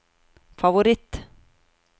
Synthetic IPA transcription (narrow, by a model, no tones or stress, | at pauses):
favʊɾɪt̪ː